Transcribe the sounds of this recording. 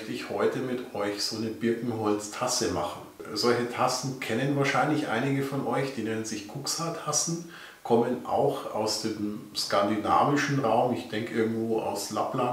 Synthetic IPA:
mçtəɪçhɔʏtəmɪtʔɔʏçz̥oːnəbɪɐkŋ̩ɦɔlt͡stʰasəma̰χn̩zɔlçətʰasn̩kʰɛnənvaːɐʃaɪnlɪçʔa̰ɪnɪɡəfɔnʔɔʏçd̥iːnɛnənzɪçkʰuksatʰasn̩ | kʰɔmənʔa̰ʊxa̰ʊsd̥eːmskandina̰ːvɪʃn̩ʁaʊmɪçd̥ɛŋkəʔɪɐɡŋ̩tv̥oːʔa̰ʊslapla

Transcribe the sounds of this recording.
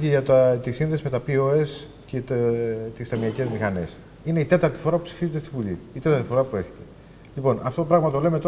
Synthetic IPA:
eʝɐt̪ɐt̪isinðe̞sime̞t̪ɐpioes | cet̪t̪ist̪ɐmiɐce̞zmixɐne̞s | ine̞it̪e̞t̪ɐɾt̪ifo̞ɾɐpupsi̥fize̞t̪est̪ivuʎḭit̪e̞t̪ɐɾt̪ifo̞ɾɐpue̞ɾçe̞̥t̪e̞̥ | ʎipo̞nʔɐft̪oopɾɐɣmɐt̪o̞le̞me̞t̪o

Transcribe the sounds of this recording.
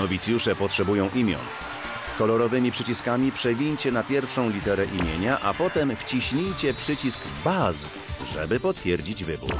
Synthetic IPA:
ɔvʲit̪sʲjuʂɛpɔtʂɛbujɔ̃ʔimʲjɔ̰n | kɔlɔɾɔvɘmʲipʂɘt͡ɕiskamʲipʂɛɡʲiɲt͡ɕɛnapʲjɛɾfʂɔ̃w̃lʲit̪ɛɾɛʔimʲjeɲaʔapɔt̪ɛmft͡ɕiɕɲijt͡ɕɛpʂɘt͡ɕisk | baz | ʐɛbɘpɔt̪fʲjɛɾd͡ʑid͡ʑvɘbṵɾ

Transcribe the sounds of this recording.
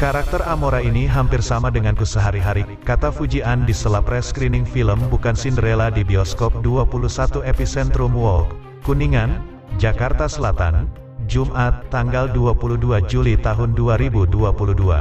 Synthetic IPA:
kaɾak̚t̪əramoɾainiɦampɪrsamadəŋankusəɦaɾiɦaɾi | kat̪afud͡ʒiandisəlapɾɛskɾinɪŋfiləmbukansindəɾeladibiɔskɔp̚duapulusat̪uɛpisɛnt̪ɾumwɔlk | kuniŋan | d͡ʒakart̪asəlat̪a̰n | d͡ʒumʔat̪ːaŋɡalduapuluduad͡ʒulit̪aɦʊnduaɾibuduapuludua̰

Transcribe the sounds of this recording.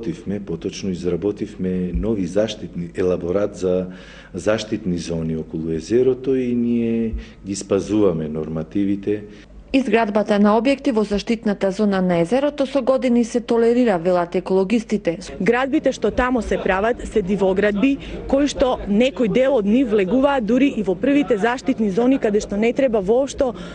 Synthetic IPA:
t̪ifmɛpɔt̪ɔt͡ʃnɔizɾabɔt̪ifmɛnɔvizaʃt̪it̪niɛlˠaboɾat̪za | zaʃt̪it̪nizɔniɔkɔlˠuɛzɛɾɔt̪ɔiniɛ | ɡispazuvamɛnɔ̰ɾmat̪ivit̪ɛ | izɡɾad̪bat̪anaɔbjɛkt̪ivɔzaʃt̪it̪nat̪azɔnanaɛzɛɾɔt̪ɔsɔɡɔd̪inisɛt̪ɔlɛɾiɾavɛlˠat̪ɛkolˠɔɡist̪it̪ɛ | ɡɾad̪̚bit̪ɛʃt̪ɔt̪amɔsɛpɾavat̪sɛd̪ivɔɡɾad̪̚bikoiʃt̪ɔnɛkɔjd̪ɛlˠɔd̪nifvlɛɡuvaːt̪̚d̪uɾiʔivɔpr̩vit̪ɛzaʃt̪it̪nizɔnikad̪ɛʃt̪ɔnɛt̪ɾɛbavɔːpʃt̪ɔ

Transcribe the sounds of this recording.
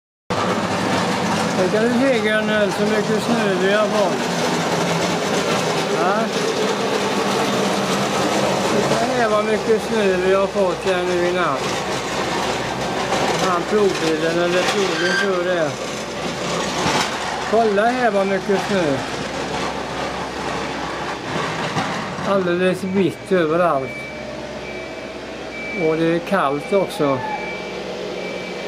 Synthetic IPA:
dɛkand̪ʉseːɡɛɳənsɔmʏkːəsnʉːʋɪhaɾfɔt̪ː | a | sɪt̪ːaɦɛːvamʏkːəsnʉːvɪhafɔt̪ːhɛːɳʉ̟ːɪnat̪ː | ɔhɑnpʰɾuːbɪlːənɛlːəpʰɾuːlənt̪ʰɾøːɾɛ | kʰɔlːahɛːʋɑmʏkːəsnøː | ald̪eləsʋɪt̪ʰːøːʋəɾalt̪ | ɔd̪ɛækʰalt̪ɔksɔ

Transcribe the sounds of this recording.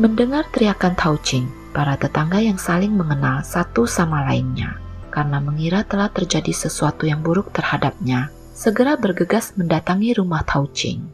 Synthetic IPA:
məndəŋart̪ɾiakant̪ʰaut͡ʃɪŋ | paɾat̪ət̪aŋɡajaŋsalɪŋməŋənalsat̪usamalainɲa̰karənaməŋiɾat̪əlaht̪ərd͡ʒadisəsuat̪ujaŋbuɾʊk̚t̪ərhadap̚ɲa | səɡəɾabərɡəɡasməndat̪aŋiɾumaht̪ʰaut͡ʃɪ̰ŋ

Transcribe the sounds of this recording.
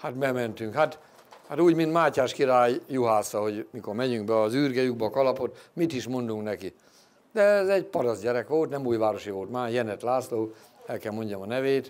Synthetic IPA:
hat̪bɛmɛnt̪yŋkhat̪ | hat̪uːɟmint̪maːcaːʃkiɾaːjːuɦaːsɒɦo̞ɟmiko̞rmɛɲyŋɡbɛɒzyːrɡɛjuɡ̚bɛːkɒlɒpo̞t̪mit̪iʃmo̞nd̪uŋknɛki | d̪ɛɛzɛɟpɒɾɒzɟɛɾɛkʋo̞lt̪nɛmuːjʋaːɾo̞ʃiʋo̞lt̪maːjɛnɛt̪laːsloː | ɛlkɛlmo̞ɲɟɒmɒnɛveːt̪

